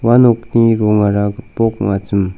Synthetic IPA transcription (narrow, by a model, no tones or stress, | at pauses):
wanokniɾoŋaɾaɡpokŋat͡səm